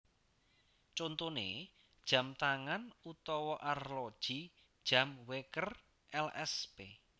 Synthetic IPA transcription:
t͡ʃont̪onḛ | d̥ʒ̥ä̤mt̪aŋanut̪ɔwɔʔarlɔd̥ʒ̥i | d̥ʒ̥a̤mwekər | ʔɛlɛspe

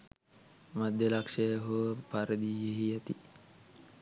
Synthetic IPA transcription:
mad̪ʱjəlakʂəjəɦopaɾəd̪ijeɦiat̪i

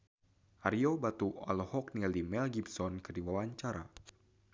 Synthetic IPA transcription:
ʔaɾiobat̪ua̰lhɔk̚nilimɛlɡibsɔnkɨrdiwawaɲt͡ʃaɾa̰

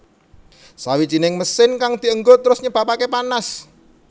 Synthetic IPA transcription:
sawit͡ʃinɪŋməsɪnkaŋd̪̥i̤əŋɡot̪əɾʊsɲəb̥apakepanas

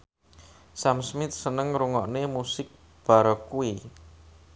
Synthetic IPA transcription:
samsmɪt̪̚sənəŋɾuŋɔʔnemusɪk̚ | b̥a̤ɾɔkui

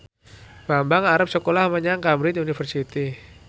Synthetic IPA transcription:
b̥ambaŋaɾap̚səkolahməɲaŋkamɾɪnunifərsit̪i

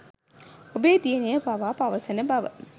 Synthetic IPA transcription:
obeːd̪ijenejɐbaʋaːpaʋɐsɐnɐbɐʋə̰

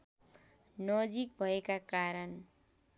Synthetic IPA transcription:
nʌd͡zik̚bʱʌekakaɾʌn

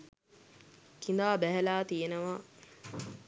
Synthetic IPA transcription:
kind̪aːbæɦælaːt̪ijenəʋa

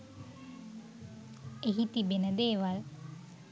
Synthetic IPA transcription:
eɦit̪ibenɐd̪eːʋal

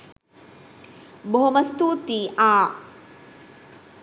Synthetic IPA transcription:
boɦomɐst̪uːt̪iʔaː

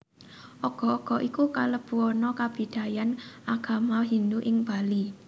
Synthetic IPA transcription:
ʔɔɡ̥ɔ̤ɔɡ̥ɔ̤ʔikukaləb̥uɔnɔkab̥i̤d̪̥a̤janʔaɡ̥a̤maɦind̪uʔɪŋb̥a̤li

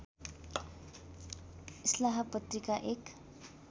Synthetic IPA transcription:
islaɦapʌt̪rikaʔek

